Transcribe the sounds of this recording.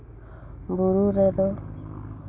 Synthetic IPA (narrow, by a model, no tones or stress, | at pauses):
buɾuɾed̪ɔ